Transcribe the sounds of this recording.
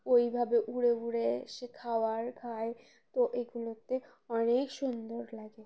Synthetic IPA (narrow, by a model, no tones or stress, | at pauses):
ojbʱabeʔuɽeuɽeʃekʰawaɾkʰae | t̪oʔeɡulot̪e | ɔnekʃund̪oɾlaɡe